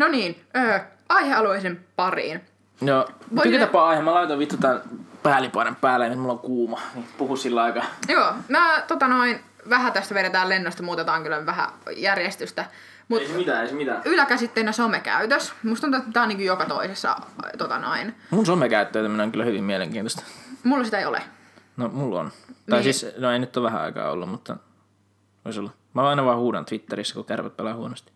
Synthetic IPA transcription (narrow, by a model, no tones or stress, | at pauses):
noniːn | øː | ɑiheɑluisempɑrḭːn | joːoiæt̪ɑpːɑɑˑihemːɑlɑit̪oʋit̪ːot̪ɑpæːlipɑˑnemppæːlæenyt̪mulːoŋkuːmɑnipuhussilːɑikɑjoːmæːt̪ot̪ɑnoin | ʋæɦæt̪æst̪ʋeɾet̪æːlenːost̪ɑmuːt̪et̪ɑːŋkylːoʋæhæ̰jærjest̪yst̪æ | muit̪æeismit̪æylækæsit̪ːelnesomekæ̰yt̪øsmust̪uɑnuet̪mt̪æːoniːŋkujokɑt̪o̰isesːɑ̰t̪ot̪ɑ̰no̰inmunsomekæyt̪ːøit̪æminoeŋkylːæhyʋimmieleŋkiːnt̪ost̪ɑ̥mulːɑsit̪æeiolḛ | nomulːo̰nt̪ɑisiːsnoeinyt̪ːoʋæhæ̰ɑ̰ikɑ̰ːo̰lːummut̪ːɑ̰ | ʋo̰isolːɑ | mæɑˑinɑʋɑːhuːdɑ̰nt̪ʋit̪ːeɾisːækukærʋæ̰t̪̚pelɑːhuonost̪i̥